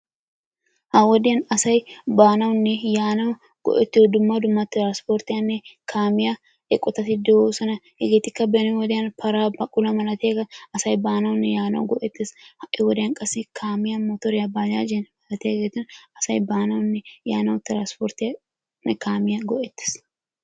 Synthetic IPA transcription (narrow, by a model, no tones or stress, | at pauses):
hawɐd̪ɪɐnɐsɐjbaːnɐwʊnːɛjaːnɐw | ɡ̥ɔ̰ʔɛt̪ːɪɔd̪ʊmːad̪ʊmːaːt̪ɪɾanspoːɾt̪ɪɐnːɛkʰaːmɪja | ɛkʼːɔt̪ɐt̪ɪd̪ɔwosɐnɐhɛɡet̪ɪkːɐbenɛwɔd̪ɪɐnpʰɐɾaːbɐkʼʊlɐmɐlɐt̪eːɡɐɐsɐjbaːnɐwʊnːɛjaːnɐ̰wɡɔʔɛt̪ːɪshɐʔɪwɔd̪eɐŋkʼɐsɪkʰaːmɪjɐmot̪ɔɾɪjɐbaːja̰ːd͡ʒɛnmɐlɐt̪eɡeːt̪ːʊnɐsɐjbaːnɐwʊnːɛjaːnɐwt̪ɪɾaːnspoːɾt̪ɪ | nɛkaːmɪjɐɡɔʔɛt̪ːɪ̥s